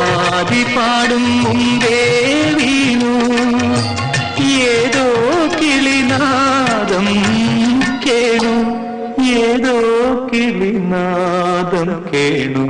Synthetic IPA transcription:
aːd̪ipaːɽumːumd̪e | ʋiːɳu | jeːd̪oːkilinad̪ɐm | keːɳu | jeːd̪oːkiɭinad̪ɐmkeːɳu

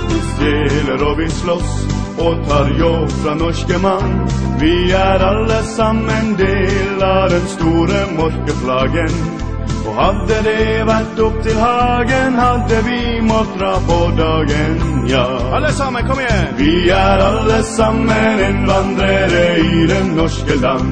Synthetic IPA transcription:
d̪eːləɾɔbɪslɔs | ɔt̪ʰɑːɾjɔbfɾɑnɔʂkəmɑnʋɪæɾɑlːəsɑmːənd̪eːlɑd̪ɛnst̪uːɾəmɔɾkəpʰlɑːɡən | ɔhɑd̪ːəd̪ɛʋæʈːʊp̚t̪ʰɪlhɑːɡənhɑd̪ːəʋɪmɔt̪ːɾɑpʰɔd̪ɑːɡənjɑː | ɑləsɑməkʰɔmjɛʋɪæɾɑlːəsɑmːəɪnʋɑnd̪ɾəɾəɪd̪ɛnːɔʂkəlɑn

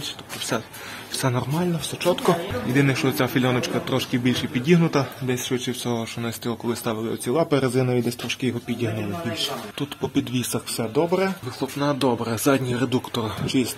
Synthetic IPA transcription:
ʃt̪ɔ̥pt̪ɔwsɛ | wsɛnɔrmɑlʲnɐwsɛt͡ʃɔt̪kɔjɪd̪ɪnɛʃt͡ʃɔt͡sʲafʲilʲɔnɔt͡ʃkɐt̪ɾɔʃkɪbʲilʲʃɛpʲidʲiɦnʊt̪ɐd̪ɛsʲʃʋɪt͡ʃɪwt͡sʲɔɦɔʃt͡ʃɔnɪsʲt̪ʲilˠɔkɔlˠɪst̪ɑʋɪlˠɪɔ̰t͡sʲilˠɑpeɾezɪnɔjʲid̪ɛsʲt̪ɾɔʃkɪjɔɦɔpʲidʲiɦnʊlˠɪbʲilʲʃɛ̥t̪ut̪pɔpʲid̪ʋʲisɐxwsɛd̪ɔbɾɛʋɪxlˠɔpnad̪ɔbɾɛzɑdʲnʲiɾed̪ukt̪ɔrt͡ʃɪsʲ

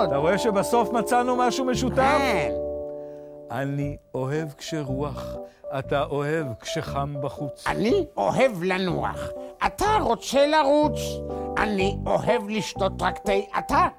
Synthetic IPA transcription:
t̪aʁo̞eʃebaso̞fmat͡sanumaʃumeʃutan | anio̞ɦe̞vkʃeʁuaχat̪aʔohe̞vkʃeχambaχut͡sa̰nio̞he̞vlanṵa̰χʔat̪aʁo̞t͡se̞laʁut͡sʔa̰nio̞he̞vliʃto̞t̪ʁakt̪ejʔa̰ta

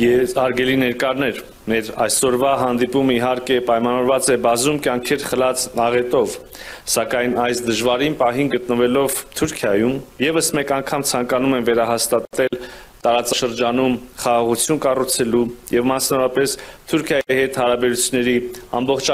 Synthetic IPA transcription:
jɛɑɾɡɛlinɛɾkɑɾnɛɾ | mɛɾɑ̰jsɔɾvɑɦɑnd̪ipuməiɦɑɾkɛpɑjmɑnɑvɔɾvɑt͡sɛbɑzumkjɑŋkʰɛɾχəlɑt͡snɑʁɛt̪ɔv | sɑkɑjnɑjsd̪əʒvɑɾinpɑɦinɡət̪nəvɛlɔvt̪ʰuɾkʰjɑjumjɛvəsmɛkɑŋkʰɑmt͡sʰɑŋkɑnumɛnvɛɾɑɦɑst̪ɑt̪ɛlt̪ɑɾɑt͡sɑʃəɾd͡ʒɑnumχɑʁɑʁut͡sʰjunkɑrut͡sʰɛlujɛvmɑsnɑvɔɾɑpɛst̪ʰuɾkʰjɑihɛt̪hɑɾɑbɛɾut͡sʰjunːɛɾiɑ̰mbɔχt͡ʃʰ

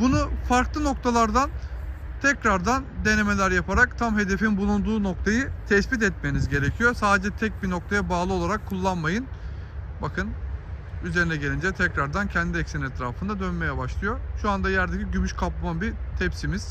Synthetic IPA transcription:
bunufaɾklˠɯno̞k̚t̪ʰalˠaɾd̪an | t̪ʰɛcɾaɾd̪and̪e̞ne̞me̞lʲæɾjapʰaɾakt̪ʰamɦe̞d̪e̞finbulˠund̪uːno̞k̚t̪ʰajɯt̪ʰɛsbit̪̬ɛt̪̚menizɟe̞ɾecʰijo̞saːd̪ed͡ʒɛt̪ʰɛc̚bino̞k̚t̪ʰajabaːlˠɯo̞lˠaɾakʰːulˠːanmajɯn | bakʰɯn | yze̞ɾinɛɟelʲind͡ʒɛt̪ʰɛcɾaɾd̪ancʰɛnd̪iɛcsinɛt̪ʰɾaːfɯnd̪ad̪ønme̞jɛbaʃlˠɯjo̞ʃuand̪ajæɾd̪ecʰiɟymyʃkʰapˠamabit̪ʰɛpsimiz̥

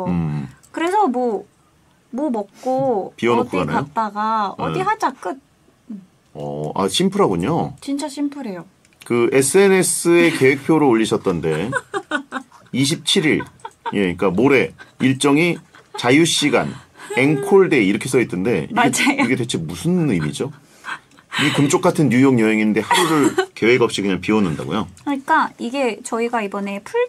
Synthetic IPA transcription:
mkɯɾe̞sʰʌmwʌ | momʌk̚k͈opiʌnokʰuɡana̰aot͈aɡa̰diɦat͡ɕ͈ak͈ɯt̚ | ʌ̰a̰ɕʰimpʰɯɾɦaɡuɲot͡ɕint͡ɕ͈aɕʰimpʰɯɾe̞jo | kɯe̞sʰɯe̞ne̞s͈ɯe̞ke̞we̞k̚pʰjoɾoːʎːiɕʰʌt͈̚ʌnde̞ | iɕ̬ʰip̚t͡ɕʰiɾiɾje̞ɲik͈amoɾe̞iɭt͡ɕ͈ʌŋi | t͡ɕajuɕ͈iɡa̰ne̞ŋkʰoɭde̞iɾʌkʰes͈ʰʌitʰːɯnde̞̰ad͡ʑaoiɡe̞tet͡ɕʰemusʰɯnɯmid͡ʑo | ikunt͡ɕ͈ʰok͈atʰɯnɲujoŋjʌɦeŋinde̞haɾuɾɯɭke̞we̞ɡʌp̚ɕ͈ikɯɲaŋpiʌnɯnda̰ɡo̰jokʰɯɲik͈aiɡe̞t͡ɕʌiɡaibʌne̞pʰuɭ

